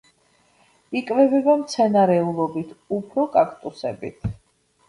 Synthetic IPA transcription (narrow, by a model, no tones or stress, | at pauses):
ikʼvɛbɛbamt̪sʰɛnaɾɛulˠɔbit̪ʰupʰɾɔkʼakʰʼt̪ʼusɛbit̪ʰ